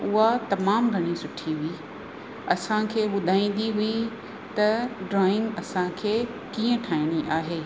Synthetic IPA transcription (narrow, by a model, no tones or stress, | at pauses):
ʊɦat̪ɐmaːmɡʱɐɽ̃isʊʈʰiɦʊi | ɐsãkʰeːʋʊd̪ʱaːĩːn̆d̪iɦʊi | t̪ɐɖɾaːɪ̃ŋɡɐsãkʰeː | kiːə̃ʈʰaːɪɽ̃iʔaːɦeː